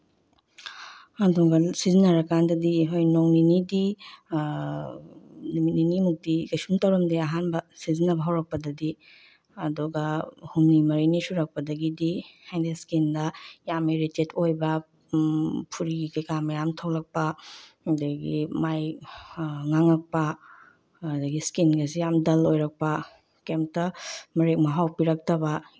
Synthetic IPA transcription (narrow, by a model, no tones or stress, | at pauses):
andɔɡɐlsizinɐɾɐkandɐdiɦojnoŋninidi | nimininimuk̚tikajsumtɐwɾɐmdiɐɦanbɐsizinɐbɐɦɐwɾɐk̚pɐdɐdi | ɐduɡɐhumnimɐɾinisuɾɐk̚pɐdɐɡidihajdeskindɐjamiɾitetʰojbɐ | pʰuɾiikkamɐjamtʰɐwlɐk̚pɐɐdɐɡḭmaj | ŋaŋɐk̚pɐ | dɐɡiskinɡɐsijamdɐlojɾɐk̚pɐ | kemtɐmɐɾek̚mɐɦawpiɾɐk̚tɐbɐ